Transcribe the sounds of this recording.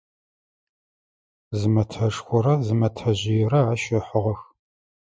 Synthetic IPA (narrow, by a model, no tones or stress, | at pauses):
zɨmɐtʰɐʂxʷɔɾɐzɨmɐtʰɐʑɪjɛrɐaːʃɐħʊʁɐx